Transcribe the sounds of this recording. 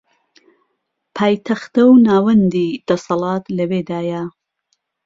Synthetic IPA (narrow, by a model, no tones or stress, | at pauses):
pʰaːjt̪ʰɐxt̪ɐwnaːwɐnd̪id̪̥ɐsɐlɑːt̪lɐbeːd̪aːja